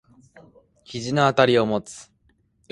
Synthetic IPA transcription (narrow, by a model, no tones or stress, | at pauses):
kʲiʑinoat̪aɾʲio̞mo̞t͡sɨ̥